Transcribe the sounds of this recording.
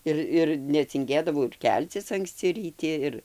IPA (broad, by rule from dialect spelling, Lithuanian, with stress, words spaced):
ˈɪr ɪr nʲɛt͡sʲɪŋʲˈɡʲeːdɐʋɐʊ ɪr ˈkʲɛlʲt͡sʲɪs ɐŋkˈsʲt͡sʲɪ rʲiːˈtʲɪ ˈɪr